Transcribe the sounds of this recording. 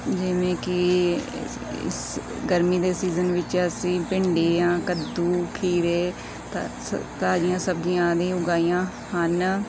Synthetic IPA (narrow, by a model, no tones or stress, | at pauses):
d͡ʒɪʋẽːkɪ | ɪ̰s | ɡəɾmiːd̪eːsiːzənʋɪt͡ʃəsĩːpɪɳɖeːãːkəd̪uːkʰiːɾeː | t̪ | t̪aːd͡ʒijãːsəb̚d͡ʒɪjãːd̪ĩːʊɡaːijãː | hən